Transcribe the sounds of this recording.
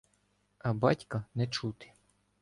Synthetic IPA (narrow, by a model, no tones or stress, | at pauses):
ɐbɑtʲkɐnɛt͡ʃut̪ɪ̥